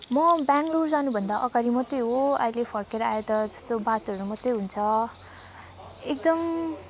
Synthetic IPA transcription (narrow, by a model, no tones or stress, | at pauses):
mʌbaŋɡlurd͡zanubʱʌnd̪aʔʌɡaɾimʌt̪ʌjɦoʌ̰ilepʰʌrkeɾʌajet̪ʌd͡zʌ̥st̪obat̪oʌɾumʌt̪ːejɦunt͡sʰʌ | ek̚d̪ʌm